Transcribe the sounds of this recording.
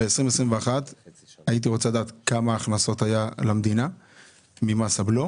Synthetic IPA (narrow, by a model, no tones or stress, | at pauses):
eesʁimesʁimveaχat̪ait̬iʁo̞t͡salad̪aːt̪kamaːχnaso̞tajalamd̪ina | mimasablo